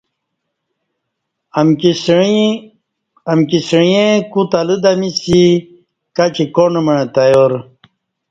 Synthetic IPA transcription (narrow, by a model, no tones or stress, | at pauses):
m | ɐmkisɻiẽkut̪alud̪amisi | kat͡ɕikoɳməɳet̪ajoɾ